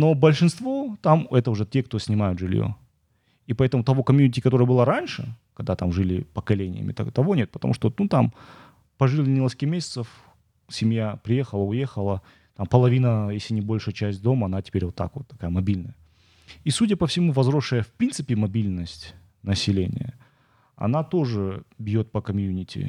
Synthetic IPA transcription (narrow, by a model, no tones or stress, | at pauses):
no̞bəlʲʂɨnst̪vo̞t̪amɛt̪əʊʐɛtʲek̚t̪osʲnʲɪmajʊt̪ʐɨlʲjo̰ | ipɐɛt̪əmʊt̪ɐvo̞kɐmʲjunʲɪtʲɪkɐt̪o̞ɾəjəbɨlˠaɾanʲʂɨ̰kɐɡ̚d̪at̪amʐɨlʲɪpəkɐlʲenʲɪ̰jə̰mʲɪ̰t̪a̰t̪ɐvo̞nʲet̪̚pət̪ɐ̰mṵʂt̪onut̪am | pɐʐɨlʲɪnʲɪlˠəskʲimʲesʲɪ̥t̪səf | sʲɪmjapɾʲɪje̞xəlˠəʊjexəlˠə | t̪ampəlˠɐvʲinəjesʲlʲɪnʲɪbo̞lʲʂɨjət͡ɕæsʲt̚ʲd̪o̞məɐnatʲɪ̥pʲeɾʲvot̪ːa̰kvot̪ːɐ̥kajəmɐbʲilʲnəjə | isudʲəpəfsʲɪmuvɐzɾo̞ʂːəjəfpɾʲint̪sɨpʲɪmɐbʲilʲnəsʲtʲ | nəsʲɪlʲḛnʲɪ̰jə̰ | ɐ̰nat̪o̞ʐɨbʲjo̞t̪̚pəkɐmʲjunʲɪtʲɪ̰